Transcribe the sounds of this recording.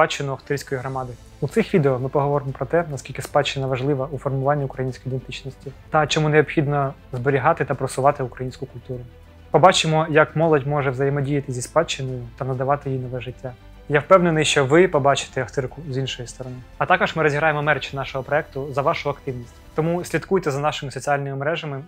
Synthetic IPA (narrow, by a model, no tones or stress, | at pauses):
spɑt͡ʃːɪnʊɐft̪ɪɾʲsʲkɔjiɦɾɔmɑd̪ɪ | ut̪sɪxʋʲid̪eɔmɪpɔɦɔʋɔɾɪmɔpɾɔt̪ɛnɐskʲilʲkɪspɑt͡ʃːɪnɐʋɐʒlˠɪʋɐufɔrmʊʋɑnʲːiukɾɐjinʲsʲkɔ̥jid̪ent̪ɪt͡ʃnɔsʲtʲit̪ɐt͡ʃɔmuneɔpxʲid̪nɔ | zbɔɾʲiɦɑt̪ɪt̪ɐpɾɔsʊʋɑt̪ɪʊkɾɐjinʲsʲkʊkʊlʲt̪uɾʊ | pɔbɑt͡ʃɪmɔjɐkmɔlˠɔdʲmɔʒɛʋzɐjemɔdʲijɐt̪ɪzʲispɑt͡ʃːɪnɔjʊt̪ɐnɐd̪ɐʋɑt̪ɪjinɔʋɛʒɪtʲːa | jawpɛwnenɪjʃt͡ʃɔʋɪpɔbɑt͡ʃɪ̥t̪ɛɐft̪ɪrkʊzinʃɔjist̪ɔɾɔnɪɐt̪ɑkɔʒmɪɾɔzʲiɦɾɑjemɔmɛrt͡ʃnɑʃɔɦɔpɾɔɛk̚t̪ʊzɐʋɑʃʊɐkt̪ɪwnʲisʲtʲt̪ɔmusʲlʲit̪kujt̪ɛzɐnɑʃɪmɪsɔt͡sʲiɑlʲnɪmɪmɾɛʒɐmɪ